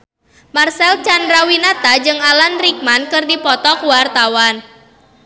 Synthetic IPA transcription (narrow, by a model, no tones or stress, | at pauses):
marsɛlt͡ʃandɾawinat̪ad͡ʒɨŋalanrik̚mankɨrdipɔt̪ɔkwart̪awan